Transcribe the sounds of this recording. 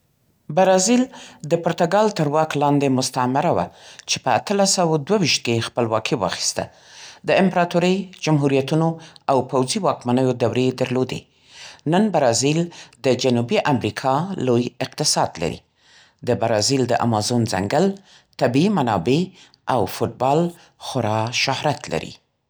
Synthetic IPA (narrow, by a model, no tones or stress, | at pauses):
baɾɑzild̪əpʊɾt̪aɡɑlt̪əɾwɑklɑnd̪emʊst̪amɪɾawa̰t͡ʃepəat̪əlasawad̪wawiʃt̪̚kexpəlwɑkʰiwɑ̰xi̥st̪a̰ | d̪əɪmpɾɑt̪uɾəjd͡ʒamɦuɾijat̪unoawpawziwɑkmanəjod̪awɾed̪əɾlod̪ḛ | nənbaɾɑzild̪əd͡ʒanubiʔamɾikʰɑlojɪq̚t̪ɪsɑd̪la̰ɾḭ | d̪əbaɾɑzild̪əʔa̰mɑzonza̰ŋɡəl | t̪abiimanɑbe | ʔawfʊʈ̚bɑl | xʊɾɑʃʊhɾat̪la̰ɾḭ